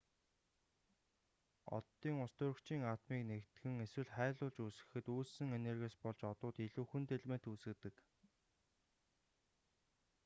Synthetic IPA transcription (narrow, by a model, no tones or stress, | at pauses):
ɔ̰t̪ːiːŋʊst̪ʊːɾɵ̆kt͡ɕiːŋaːt̪miːknekt̪ɡɘ̆ŋeswɘ̆ɮχæːɮʊːɮt͡ɕuːsɘ̆xɘ̆t̪uːɮsɘ̆ŋenerɣeːspɔɮt͡ɕɔt̪ʊːt̪iɮuːxŭnt̪ʰeɮmen̥t̪uːsɘ̆t̪ɘ̆k